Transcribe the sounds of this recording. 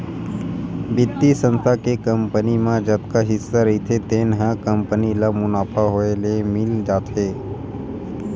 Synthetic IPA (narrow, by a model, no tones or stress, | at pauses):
bɪt̪ːisə̃nst̪ʰakekəmpənimãd͡ʒəb̚kaɦɪsːaɾəɦit̪ʰet̪eːnɦãkəmpənilamʊnaːpʰaɦoelemɪld͡ʒaːt̪ɦeː